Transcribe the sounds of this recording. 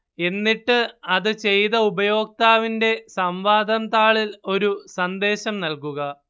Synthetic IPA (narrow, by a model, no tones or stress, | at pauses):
e̞nːiʈːɨɐðɨt͡ɕe̞jðɐubɐjo̞ːk̚t̪aːʋinde̞sɐmʋaːd̪ʱɐnt̪aːɭilo̞ɾusɐnd̪e̞ːɕɐmnɐlkuɣɐ